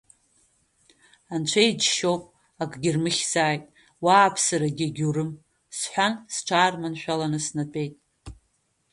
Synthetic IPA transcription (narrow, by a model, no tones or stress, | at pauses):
ant͡ʃʷʰajid͡ʒʃowpʼ | akʼɡʲɪrmɨχʲz̥aːjtʼ | waːpʰsaɾaɡʲiɡʲurɨm | sħʷᶣansʈ͡ʂʰaːrmanʃᶣalanɨsnat͡pʼe̞jtʼ